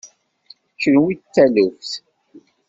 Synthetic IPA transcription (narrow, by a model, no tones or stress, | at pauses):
t͡ʃːənwit͡sːæləfθ